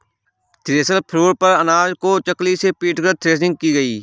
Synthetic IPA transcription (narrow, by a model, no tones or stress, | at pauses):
t̪ɾeːsəlpʰɾuːɽpəɾənaːd͡ʒkot͡ʃəklisepiːʈkəɾt̪ʰɾeːs̬ɪ̃ŋɡ̚kiːɡəiː